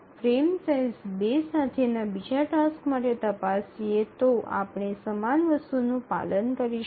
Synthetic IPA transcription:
fʰɾemsajzbesat̪ʰenabid͡ʒaʈaskmaʈet̪əpasiet̪oa̰pɳ̃isəmanʋəst̪unũpa̰lənkəɾiʃ

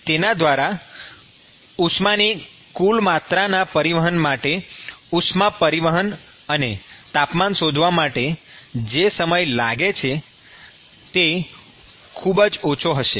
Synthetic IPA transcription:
t̪enad̪ʋaɾa | uʃmani | kulmat̪ɾanapəɾiʋəɦənmaʈeuʃmapəɾiʋəɦən | ənet̪apmanʃod̪ʱʋamaʈed͡ʒesəməjlaɡet͡ʃʰe | t̪e | kʰubəd͡ʒot͡ʃʰoɦəʃe

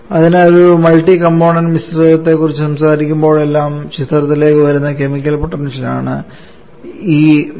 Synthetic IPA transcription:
ɐðineoɾumɐlʈikɐmpoːɳɐnmisɐriɐt̪ːe̞kːurit͡ɕːɨsɐmsaːɾikʲːumbo̞ːɭe̞lːaːmɕit̪ːɐrɐt̪ːile̞ːkːɨʋɐɾunːɐke̞mikʲːɐlpɐʈːɐrnit͡ɕina̰ːɳɨ̰ | iː

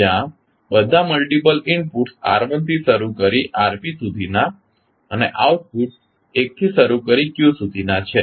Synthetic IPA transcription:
ã | bəd̪ʱaməlʈip̬əlɪɳɖpuʈsa̰ɾʋənt̪ʰiʃəɾukəɾiʔaɾpisud̪ʱina | əneʔauʈ̚puʈs | ek̚t̪ʰiʃəɾukəɾikjũsud̪ʱinat͡ʃʰe

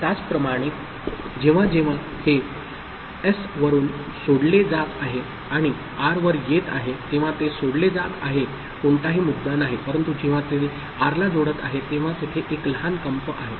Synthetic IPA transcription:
t̪jat͡spɾəmaɽ̃e | d͡ʑeʋ̤ad͡ʑeʋ̤a | he | esʋəɾuːn | soɽled͡zat̪aɦe | aɽ̃i | aɾʋəɾjet̪a̰ɦet̪eʋ̤at̪esoɽled͡zat̪aɦe | koɳʈaɦiːmud̪ːanaɦipəɾənt̪ud͡ʑeʋ̤at̪e | aɾlad͡zoɽət̪a̰ɦet̪eʋ̤ãt̪et̪ʰeʔekləɦankəmpəʔaɦet̪

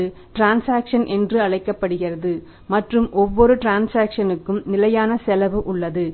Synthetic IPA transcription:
ɯ | ʈɾaːnsaːkʂɐnʔɛndrɯɐɭɐɪkːɐpːɐɽɯɣɪrɐðɯ | mɐʈrɯmʔɔʋːɔɾɯʈɾaːnsaːkʂɐnɯkːɯmnɪlɐjaːnɐsɛlɐʋɯʔʊɭːɐðɯ

